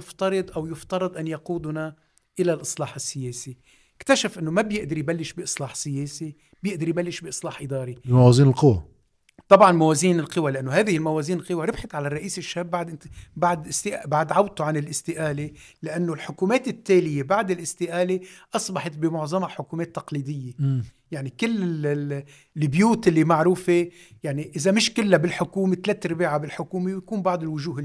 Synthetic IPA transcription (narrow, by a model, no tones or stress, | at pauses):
ft̪ɑɾˤɨd̪ˤʔawjʊft̪ɑɾˤɨd̪ˤʔanjɑquːd̪ʊna | ʔɪlalʔɨsˤlɑːħɪsːɪjeːsi | ɪkt̪aʃafʔɪnːomabjɪʔd̪ɪɾijbalːɪʃbɪʔɨsˤlɑːħsɪjeːsi | bjɪʔd̪ɑɾjbalːɪʃbɪʔɨsˤlɑːħʔɪd̪ɑːɾimawaːziːnɪlqɨwa | t̪ˤɑbʕɑnmaweːziːnɪlqɨwalɪʔanːoɦæːðɪhɪlmaweːziːnɪlqɨwaɾˤɪbħat̪ʕalarˤːɑʔiːsɪʃːhaːbːaʕd̪ʔɪbaʕd̪ɪst̪ɪʔbaʕd̪ʕaw̚t̪uʕanɪlʔɪst̪ɪʔaːle | lɪʔanːolħʊkuːmeːt̪ɪt̪ːeːlɪjebaʕd̪ɪlʔɪst̪ɪʔaːleʔɑsˤbɑħɑt̪̚bɪmʊʕzˤɑmaħʊkuːmeːt̪ːɑqliːd̪ɪjːejaʕnikɪlːɪ | bjuːt̪ʔɪlːimaʕɾuːfe | jaʕniʔɪzamɪʃkɪlːabɪlħʊkuːmet̪leːt̪ɾɪbiːʕabɪlħʊkuːmejakuːmbɑʕd̪ˤɪlwʊʒuːɦɪ